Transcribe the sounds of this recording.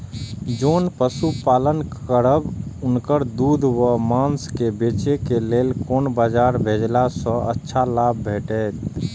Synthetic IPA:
d͡ʒonpəsupalənkəɾəbʊnkəɾd̪ud̪ʱwəmanskebet͡ʃekeleːlkoːnbad͡ʒaɾbʱed͡ʒlasə̃ʔə̰tːʃʰalab̚ːʱeʈɛt̪

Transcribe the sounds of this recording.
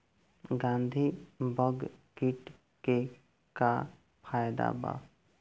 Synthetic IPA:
ɡãːnd̪ʱibəɡkiʈ | ke | ka | pʰaːjd̪a̰ba̰ː

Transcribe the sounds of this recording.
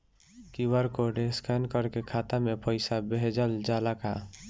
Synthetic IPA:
kiwəɾkoɖeskʰankəɾkekʰat̪amepəɪsabeɦd͡ʒəld͡ʒalaka

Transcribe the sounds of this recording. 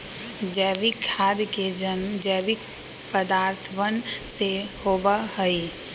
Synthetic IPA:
d͡ʒɛːʋikʰːaːd̪ked͡ʒənd͡ʒɛːʋɪk̚ | pəd̪aːɾt̪ʰʋənsehoːbaɦəi

